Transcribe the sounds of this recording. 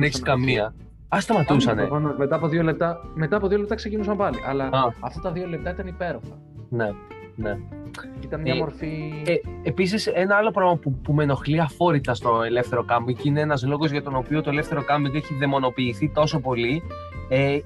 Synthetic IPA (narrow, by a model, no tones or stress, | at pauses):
neçiskɐmiɐ | ɐst̪ɐmɐt̪usɐnefɐnomet̪ɐːpoðiole̞p̚t̪ɐme̞t̪ɐːpoðiolept̪ɐksecinusɐmpɐliʔɐ̰lɐɐɐft̪ɐt̪ɐðio̞le̞p̚t̪ɐit̪ɐnipe̞ɾofɐ | ne̞ | ne̞it̪ɐnmɲɐmoɾfi | episise̞nɐɐlo̞pɾɐɣmɐpupume̞no̞xliɐfo̞ɾit̪ɐst̪o̞e̞le̞fθe̞ɾo̞kɐmiŋkine̞enɐzlo̞ɣozʝɐt̪o̞no̞pio̞t̪o̞e̞le̞fθe̞ɾokɐmiŋɡeçiðe̞mo̞no̞piːθit̪o̞so̞po̞li | e